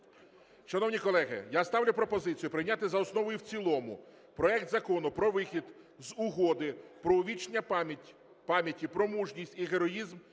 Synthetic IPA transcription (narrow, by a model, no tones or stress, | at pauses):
ʃɐnɔwnʲikɔlˠɛɦɪ̰jast̪ɑwlʲʊpɾɔpɔzɪt͡sʲijʊpɾɪjnʲat̪ɪzɐɔsnɔʋɔjʊwt͡sʲilˠɔmʊ̰ | pɾɔɛk̚t̪zɐkɔnʊpɾɔʋɪxʲid̪ | zʊɦɔd̪ɪpɾɔʊʋʲit͡ʃnʲɐ | pɑmʲjɐtʲipɾɔmuʒnʲisʲtʲiɦeɾɔjizm